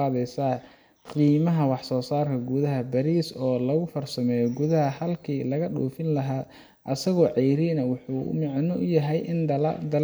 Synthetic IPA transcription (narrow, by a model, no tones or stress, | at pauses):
ɑːðɛjsa | qiːmɐɦɐwɑħsɔːsaːrkʰɐɡuðɐɦɐbɐɾiːsɔːlɐɣʊfɐrsɐmɛːjɔɡʊðɐɦɐhɐlkʰiːlɐɣɐɗṵːfɪnlɐɦaː | ʔɐsɐɣɔːʕɛjɾinɐwʊħuːʊ̰mɑʕnɔʔʊjɐɦɛjʔɪnd̪ɐl